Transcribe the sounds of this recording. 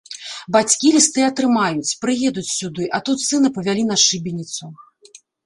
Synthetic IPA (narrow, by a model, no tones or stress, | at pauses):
bat͡sʲkʲilʲist̪ɨɐt̪ɾɨmajut͡sʲpɾɨjɛd̪ut͡sʲsʲud̪ɨʔɐt̪ut̪sɨnɨpɐvʲalʲin̪ɐʂɨbʲenʲit̪su